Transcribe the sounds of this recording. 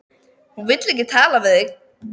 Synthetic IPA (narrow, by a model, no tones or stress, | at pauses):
hunvɪt̪lɛhcːɪt̪ʰaːlavɪðɪk